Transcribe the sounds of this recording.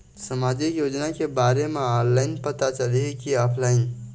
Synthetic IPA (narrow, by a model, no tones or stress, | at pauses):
səmad͡ʒikjod͡ʒnakebaɾemeɔɾlaɪnpət̪at͡ʃəliɦɛkiɔpʰlaɪn